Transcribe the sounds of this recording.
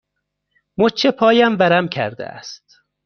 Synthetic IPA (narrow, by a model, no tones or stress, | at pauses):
mot͡ʃʰepʰɒːjæmbæɾæmkʲʰæ̰ɾd̪ḛæ̰st̪